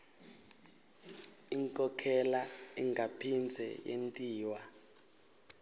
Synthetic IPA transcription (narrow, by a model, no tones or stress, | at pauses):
iŋkʼɔkʰɛlaiŋɡʱapʰind͡zʱɛ̰jḛntʼiːwa